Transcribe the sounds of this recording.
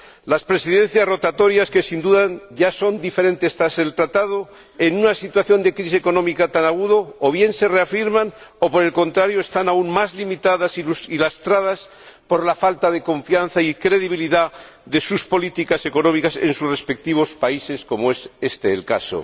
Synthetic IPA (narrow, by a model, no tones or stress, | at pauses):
laspɾe̞siðẽ̞n̟θjazro̞t̪at̪o̞ɾjaske̞sind̪uðaʝaso̞nd̪ife̞ɾe̞nt̪e̞st̪ɾase̞lt̪ɾat̪aðo̞ | e̞nunasit̪waθjo̞nd̪e̞kɾis̬eko̞nõ̞mikat̪anaɣ̞uðoːβje̞nse̞re̞afiɾmano̞po̞ɾe̞lko̞nt̪ɾaɾjoest̪anauŋmazlimit̪aðasilusilast̪ɾað̞as | po̞ɾlafalt̪aðe̞ko̞ɱfjan̟θaikɾe̞ðiβ̞iliða | ðe̞suspo̞lit̪ikase̞ko̞nomikase̞̰nsusre̞spe̞k̚t̪iβ̞o̞spaise̞sko̞moe̞se̞st̪e̞ːlka̰so̰